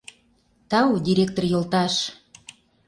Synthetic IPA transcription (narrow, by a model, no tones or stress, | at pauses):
t̪ɑud̪ʲiɾʲek̚t̪orjolt̪ɑʃ